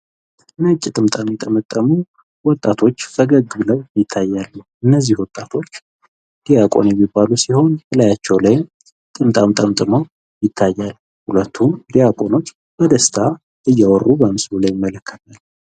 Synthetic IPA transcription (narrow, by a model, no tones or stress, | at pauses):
nəkʼːit̪ʼɨmt̪ʼamjɛt̪ʼːəmət̪ʼːəmu | wɔt̪ʼːat̪ʰo̞t͡ʃːfəɡəɡbɨləwjɪt̪ʰːajːalːuʔɨnːəzːihwɔt̪ʼːat̪ʰo̞t͡ʃː | d̪̥ijakʼo̞̰njɛmːibːalusiho̞nt̪ʰəlajat͡ʃːɛwlajm | t̪ʼɨmt̪ʼamt̪ʼəmt̪ʼɨməw | jɪt̪ʰːajːal | hulət̪ʰːumd̪ijakʼo̞no̞t͡ʃː | b̥əd̪əst̪ʰa | ʔɨjːɛwɔrːubəmsbulajɪmːələkʰːə̥t̪ʰal